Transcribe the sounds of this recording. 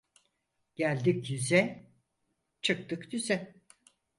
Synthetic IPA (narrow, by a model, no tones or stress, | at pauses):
ɟ̥ælʲd̪icjyzɛ | t͡ʃʰɯk̚t̪ɯkd̪yzɛ